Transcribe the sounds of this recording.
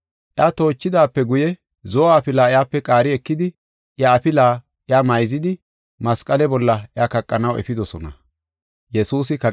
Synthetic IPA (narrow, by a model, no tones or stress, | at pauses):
ʔjat̪o̞ːt͡ʃːɪd̪aːpːɛɡʊjɛ | zɔːaːpɪlaːɪjaːpːɛkʼaːɾɪɛkːɪd̪ɪ | ʔjaːpɪlaː | ʔjamɐjzɪd̪ɪ | mɐskʼɐlɛbɔlːɐʔjaːkɐkʼːɐnɐwɛ̰fɪd̪ɔsɔnɐ̰ | jɛsuːs̬ɪkɐ